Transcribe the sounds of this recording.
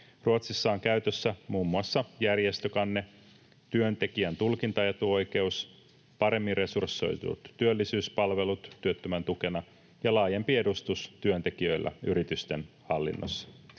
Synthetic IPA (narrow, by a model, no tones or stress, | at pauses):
ruot̪sisːɑoŋkæyt̪øsːæmuːmːuɑsːɑjærjest̪økɑnːe̞ | t̪yønt̪e̞kiænt̪ulkint̪ɑjet̪uo̞jke̞us | pɑɾe̞mːinre̞sursːo̞̰jt̪ṵt̪t̪yølːisyːspɑlʋe̞lut̪ːyøt̪ːømænt̪uke̞nɑ | jɑlɑːjempie̞dust̪ust̪yønt̪e̞k̟iø̞ilːʔæ̰yɾit̪yst̪e̞nhɑlːḭnːo̰sːɑ̥